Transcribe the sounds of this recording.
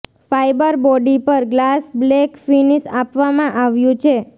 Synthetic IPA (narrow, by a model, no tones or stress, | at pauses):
fajbəɾbɔɖipəɾɡlasblekfinisapʋamãʔaʋjũt͡ʃʰe